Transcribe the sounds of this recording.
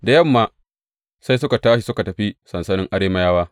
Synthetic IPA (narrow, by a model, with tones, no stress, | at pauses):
da˨jɐ˦˨mːaː˨ | sa˦js̬ʊ˦ka˨taː˦ʃi˨sʊ˦ka˨tɐ˨ɸi˦sɐ˨nsɐ˦nɪ˦ŋʔa˦ɽeː˦ma˦jaː˦waː˦